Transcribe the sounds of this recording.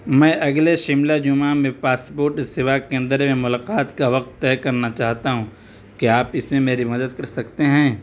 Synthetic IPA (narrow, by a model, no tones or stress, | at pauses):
mɛ̃ːʔɐɡleʃɪmlad͡ʒʊmamẽpaːspoːɾʈsɪʋaːkeɐ̃nd̪əɾmẽmʊlaːqaːt̪kaʋɐq̚t̪ːɛːkɐɾnat͡ʃaːɦt̪aɦũ | kiaːpɪsmẽmeːɾimɐd̪əd̪kɐɾsɐkt̪eɦɛ̃ː